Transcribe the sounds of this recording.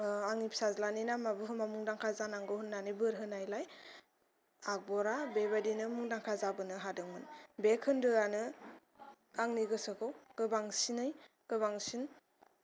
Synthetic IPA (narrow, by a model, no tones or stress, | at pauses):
aŋnipsazlanɯjnamabɯɦɯmamuŋdaŋkʰazanaŋɡɯɦɯnːanɯjbɯɾɦɯnajlaj | ak̚bɔɾabebadinɯmuŋdaŋkʰazabɯnɯɦadɯŋmɯnbekʰɯndɯjanɯ | aŋniɡɯsɯkʰɯwkɯbaŋsinɯj | kɯbaŋsin